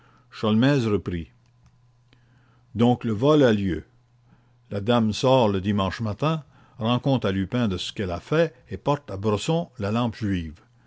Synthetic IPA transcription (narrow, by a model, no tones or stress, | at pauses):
ʃɔlmɛːzrəpɾi | d̪ɔ̃ːkləvɔlaljø̰ | lad̪amsɔːʁləd̪imɑ̃ʃmat̪ɛ̃ | ʁɑ̃kɔ̃t̪ʁalypɛ̃d̪əsə̥kɛlafɛepɔʁt̪abɾəsɔ̃lalɑ̃pʒɥiːv